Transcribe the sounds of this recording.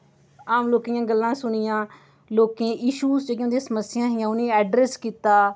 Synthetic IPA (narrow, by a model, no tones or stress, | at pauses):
aːmloːkiːjãːɡəlːãːsʊnɪjãː | loːkẽːʔɪʃuːzt͡ʃokjõːd̪ẽːsəməsɪjãːɦɪjãːʊnẽːɛːɖɾeːskiːt̪aː